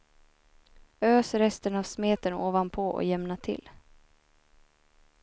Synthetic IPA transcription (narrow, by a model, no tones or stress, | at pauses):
øːsɾɛst̪ənavsmeːt̪ənoːvanpʰɔʔɔ̰jɛmnat̪ʰɪ̰lː